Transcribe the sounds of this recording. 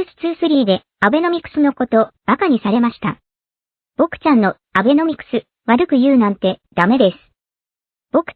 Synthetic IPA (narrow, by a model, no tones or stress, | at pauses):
ɕi̥t͡sɨsɨɾʲiːd̪e̞ | abe̞no̞mʲikɯ̟̥sɨno̞ko̞t̪o̞b̥akaɲ̟isaɾe̞maɕi̥t̪a̰ | b̥o̞kɯ̥t͡ɕãnːo̞ | abe̞no̞mʲikɯ̟̥sɨ | βaɾɯ̟kɯ̟jɯ̟ːnãnt̪e̞d̪̥ame̞d̪e̞sɨ̥ | b̥o̞kɯ̥